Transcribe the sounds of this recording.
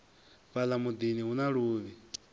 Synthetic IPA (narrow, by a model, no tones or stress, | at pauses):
βalamud̪iniɦunaɺuːβi